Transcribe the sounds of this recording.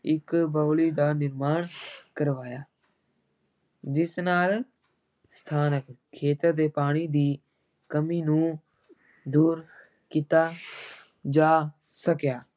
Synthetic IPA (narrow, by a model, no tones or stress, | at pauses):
ɪkbaːliːd̪aːnɪɾmaːɳkəɾʋaːjaː | d͡ʒɪsnaːl | st̪ʰaːnəkʰːeːt̪əɾd̪eːpaːɽ̃iːd̪iː | kəmiːnũː | d̪uːɾ | kit̪aː | d͡ʒaː | səkjaː